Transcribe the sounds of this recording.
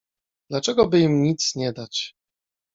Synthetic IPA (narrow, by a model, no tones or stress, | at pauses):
d̪̥lat͡ʂɛɡɔbɘimɲit̪sɲɛd̪at͡ɕ